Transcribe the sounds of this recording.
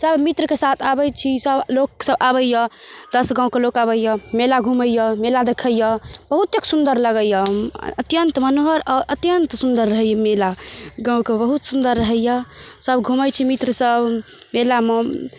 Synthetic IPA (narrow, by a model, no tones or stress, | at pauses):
səbmit̪ɾəkesat̪ʰabəjt͡ʃʰisəbloksəbabəjjəd̪̥əsɡãũkelokabəjəmelaɡʱuməjəmelad̪ekʰəjjəb̥əɦut̪ːeksund̪əɾləɡəjəət̪jənt̪mənoɦəɾɔːɾət̪jənt̪sund̪əɾːəɦəjəmelaɡãũkebəɦut̪sund̪əɾːəɦəjjəsəbɡʱumət͡ʃʰimit̪ɾəsəb | melame